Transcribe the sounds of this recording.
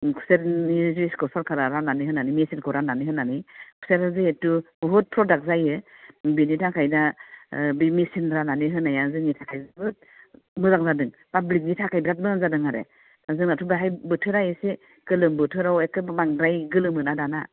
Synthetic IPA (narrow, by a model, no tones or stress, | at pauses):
kʰu̥seɾiziskɔsaɾkʰaɾaɾananiɦɯnanimisinkʰɯɾananiɦɯnanikʰu̥seɾazɯetubɔɦut̚pʰɾɔdak̚zajɯbinitʰakʰajda | bimisinɾananiɦɯnajazɯŋitʰakʰajzbɯt̚ | mɯzaŋzadɯŋ | pablik̚nitʰakʰajbɾat̚mɯŋzadɯŋaɾḛ | nazɯŋnatʰubaɦajbɯtʰɯɾajɯse | ɡɯlɯmbɯtʰɯɾawekɯmaŋdɾajɡɯlɯmɯnadana